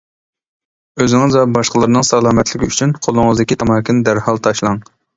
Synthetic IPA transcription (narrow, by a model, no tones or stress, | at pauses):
øzɪŋɨzɛbɑʃqəlˠɨɾɨnɨŋsɑlˠɑːmɛt̪ʰlɪkʲʰiyt͡ʃʰynqʰolˠʊŋɨzd̪ɪkʲit̪ʰɑmɑːkʲʰɪnd̪æɾhɑlˠt̪ʰɑʃlˠɑŋ